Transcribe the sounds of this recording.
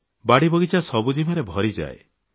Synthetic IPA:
baɽibɔɡit͡ʃasɔbud͡ʒimaɾebʱɔɾid͡ʒa̰e

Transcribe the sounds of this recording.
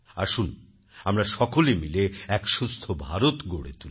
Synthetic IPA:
a̰ɾʃun | amɾaʃɔkolemileɛkʃust̪ʰobʱaɾot̪ɡoɽḛt̪ul

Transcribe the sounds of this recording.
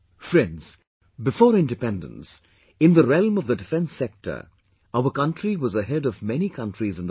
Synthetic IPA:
fɹɛ̃ndz̥ | bɨfɔːɾɪ̃ndɨpɛ̃ndə̰̃ns | ɪ̃nðəɾɛlˠmʌvðədɨfɛ̃nsɛk̚ʈʰə̰˞ | aʊəkʌ̃ntɹiwʌzəɦɛɾʌvmɛnikʰʌ̃ntɹizɨ̃nd̪ð

